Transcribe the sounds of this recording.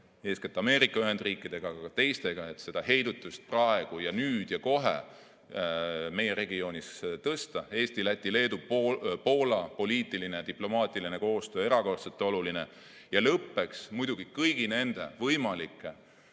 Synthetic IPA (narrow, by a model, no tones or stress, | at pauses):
e̞ːsket̪ːˑɑme̞ːɾikˑːɑyɦe̞nd̪riːkːˑid̪̥e̞ɡ̥ɑɑkɑt̪e̞jst̪e̞ɡ̥ɑe̞t̪se̞d̪̥ɑhe̞jd̪̥ut̪ːˑust̪̚prɑe̞ɡ̥ujɑnyːd̪̥jɑko̞ɦḛ | me̞je̞ɾe̞ɡio̞ːnʲist̪ɤst̪ɑe̞ːst̪ilæt̪ʲːˑile̞ːd̪upo̞ːlɑpo̞liːt̪ːˑiline̞jɑt̪iplo̞mɑːt̪ˑilineko̞ːst̪øːe̞ɾɑko̞rt̪set̪ːeo̞luline̞ | jɑlɤpːe̞ksmujd̪̥uɡ̥ikɤjɡ̥ine̞nd̪̥e̞̰vɤjmɑlikːˑe